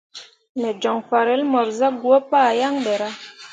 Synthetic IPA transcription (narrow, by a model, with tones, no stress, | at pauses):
mɛ˨d͡ʒɔ˨ŋfa˨ɾɛ˨˦lmɔ˨ɾza˦ɡu˦ɔ˦pa˦˨ja˦ŋbɛ˨ɾa˦